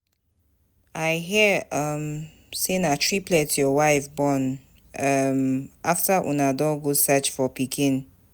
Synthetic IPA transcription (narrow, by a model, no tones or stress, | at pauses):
aɪɦɛʌm | senatɹiplɛtjɔwaɪfbɔ̃n | ʌmʔaftaʔṵnadɔ̃ɡosɛt͡ʃfɔpikʰĩn